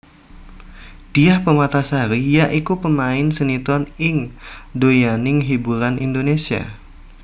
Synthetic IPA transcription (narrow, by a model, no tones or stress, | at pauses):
d̥iahpəmat̪asaɾijaʔikupəmaɪnsənit̪ɔnɪŋdojanɪŋɦibuɾanḭndonesia̰